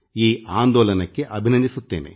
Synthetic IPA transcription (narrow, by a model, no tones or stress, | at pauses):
iːaːnd̪ɔːlɐnɐkːe̞ʔɐbʱinɐnd̪isut̪ːe̞ːnḛ